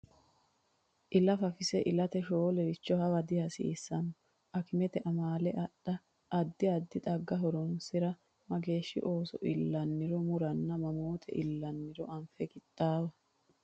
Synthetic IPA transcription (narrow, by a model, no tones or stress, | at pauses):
ʔɪlɐfɐfɪsɛʔɪlɐt̪ɛʃoːlɛɾɪt͡ʃːɔhɐwɐd̪ɪhɐsɪ̰ːsːɐnɔ | ʔɐkɪmɛt̪ɛʔɐmaːlɛʔɐɗɐ | ʔɐd̪ːɪɐd̪ːɪt̪ʼɐɡːɐɦɔɾɔnsɪɾɐ | mɐɡe̞ːʃːɪ̰ʔo̞ːsɔ̰ʔɪlːɐnːɪɾɔmʊɾɐnːɐmɐmoːt̪ʰɛ̰ʔɪlːɐnːɪɾɔʔɐmfɛɡɪt̪ʼːaːwɐ